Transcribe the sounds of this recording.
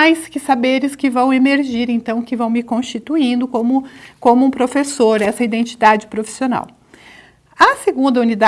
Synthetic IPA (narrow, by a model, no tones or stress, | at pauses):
ajskɪsabeɾɪskɪvɐ̃w̃emeɾʒiɾẽnt̪ɐ̃w̃kɪvɐ̃w̃mɪkõʃt͡ʃit̪uĩnd̪ʊkõmʊkõmʊũpɾofesoɾɛsɐid̪ẽnt͡ʃi̥d̪ad͡ʒɪpɾofi̥siona̰w | ɐseɡũnd̪ɐunid̪a